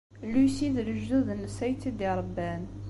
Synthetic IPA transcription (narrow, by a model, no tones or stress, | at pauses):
lusiðləʒːuðnsæjt̪ːid̪iɾˤəbːæn